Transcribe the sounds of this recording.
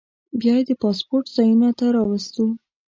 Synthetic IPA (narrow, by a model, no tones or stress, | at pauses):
bjɑjed̪əpɑspoɾʈzɑjunat̪aɾɑwast̪u